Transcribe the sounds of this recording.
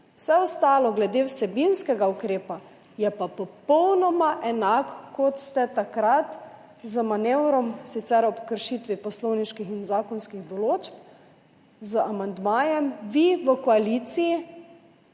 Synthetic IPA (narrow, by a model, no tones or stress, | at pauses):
wsɛɔst̪aːlɔɡlɛd̪eːwsɛbinskɛɡaukɾeːpa | jɛpapɔpɔwnɔmaʔɛnakkːɔt̪st̪ɛt̪akɾat̪ | zəmanewɾɔmsit̪sɛɾɔpkəɾʃiːt̪ʋipɔslowniʃkixinzaːkɔnskiɣd̪ɔloːt͡ʃp | zəamand̪maːjɛmʋiʋəkɔalit̪siji